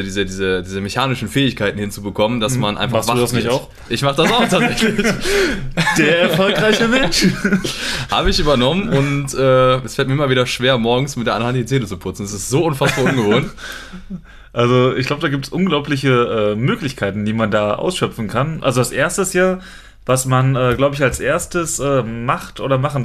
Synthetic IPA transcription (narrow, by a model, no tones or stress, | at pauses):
diːzədiːzədiːzəmeçaːnɪʃn̩fɛːɪçkʰaɪtn̩hɪnt͡subəkʰɔməndasmanʔa̰ɪnfmasḁuːdanɪçaʊx | ʔɪçmaχəd̥asaʊxtʰaːz̥ɛçlɪç | d̥eːɐɛɐfɔlkʁaɪçəmɛnnʃ | ha̰ːbəɪçʔyːbɐnɔmənʊntʔɛːɛsfɛlt̚miɐʔɪmɐviːdɐʃv̥eːɐmɔɐɡŋ̩smɪtdeːʔanhant̚dit͡seːnət͡supʰʊt͡sn̩ɛsɪstz̥oːʊnfasb̥aːɐʊnɡəvoːnt | ʔalzoɪ̰çɡ̥laʊbədaːɡiːp̚tsʔʊnɡlaʊplɪç̬əʔɛːmøːklɪçkʰaɪtn̩diːmandaːʔa̰ʊsʃœpp͡fn̩kʰanʔalzoalsʔeːɐstəsjaː | vasmanɛːɡlaʊbəɪçalsʔeːɐstəsʔɛːmaχtʔo̰ːdɾɐmaχn̩